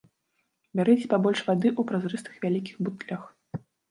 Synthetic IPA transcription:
bʲaɾɛt͡sʲpabɔlʲʂvad̪ɨʔupɾazɾɨst̪ɨ̥xvʲalʲikʲixbut̪lʲax

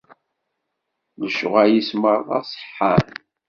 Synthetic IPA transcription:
ləʃʊʁajisməɾˤðˤɑ̰sˤħːan

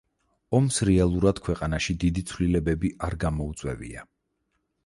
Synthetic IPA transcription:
ɔmsɾɛalˠuɾad̪̥kʰwɛqʼanaʃid̪id̪it̪sʰvlilɛbɛbiʔaɾɡamɔut̪sʼwɛ̰vḭa̰

